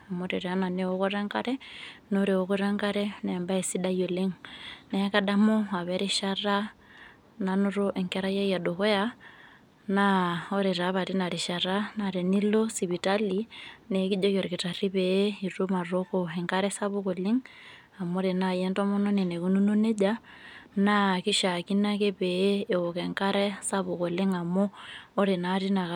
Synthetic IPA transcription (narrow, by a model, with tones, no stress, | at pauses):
a˨moɾi˨ɾa˦na˨neoɣoɾɛŋka̰˦ɾɛno˦ɾi˨oɣuɾɛŋkaɾɛnɛmba˦e˨si˦da˦jo˨li˦ŋnɛkadamo˦a˨βɛ˦ɾiʃara | na˨nu˦ɾo˦ʔɛ˨ŋkɛɾaja˦ja˨do˨ɣe˦a | nao˦ɾe˨ɾa˨βa˨ɾi˦na˨ɾi˨ʃa˨ɾanaɾe˨ni˦lo˦siβi˨taline˨ki˦ʄo˦ko˨ɾi˨ki˨ta˨ri˦βeiru˦ma˨rokoɛ˨ŋka˦ɾɛ˦sa˦βo˦ko˨li˦ŋ | a˨moɾe˨najɛ˦ntɔ˦mo˦no˦ne˨ne˨ku˦nu˦nu˦ne˦ʄa | naki˦ʃa˨ki˦na˦ke˦βeː˦˨o˨kɛŋka˦ɾɛ˦sa˦βo˨ko˨le˦ŋa˨moː˦ɾe˨naɾi˦na˨a